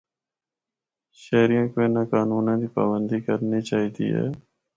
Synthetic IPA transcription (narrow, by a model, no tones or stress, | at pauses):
ʃɛːɾijãːkoːĩːnakaːnuːnãːd̪iːpa̰ːbənd̪iːkəɾniːt͡ʃaːɦiːt̪ḭːɦɛ̰ː